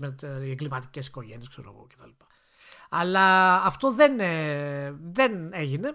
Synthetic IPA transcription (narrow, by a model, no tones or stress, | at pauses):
met̪ieŋɡlimɐt̪i̥cesi̥ko̞ʝenieskse̞ɾo̰ɣo̰cet̪ɐlipɐ̥ | ɐlɐːft̪o̞ðene | ðeneʝine̞